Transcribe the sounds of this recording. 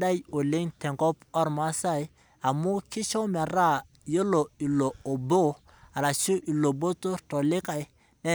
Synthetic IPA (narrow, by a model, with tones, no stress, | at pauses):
da˦jo˨li˦ŋtɛ˨ŋko˦pɔ˦ɾma˦sa˦j | a˨mu˦ki˦ʃo˦me˨ɾa˦˨ | jo˦lo˨i˨lo˨o˨bo˦ | a˨ɾa˨t͡ʃu˦ʔi˨lo˨bo˦to˦to˨li˦ka˨˦ | nɛ˦